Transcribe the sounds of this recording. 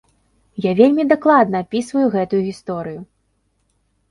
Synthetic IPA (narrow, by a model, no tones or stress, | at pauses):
javʲelʲmʲid̪aklˠad̪nɐːpʲisvɐjuɣɛt̪ujuɣʲist̪ɔɾɨju